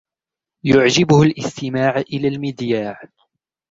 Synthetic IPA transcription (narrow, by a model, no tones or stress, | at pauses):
jʊʕd͡ʒɪbʊhʊlʔɪst̪ɪmaːʕʔɪlaːlmɪd̪jaːʕ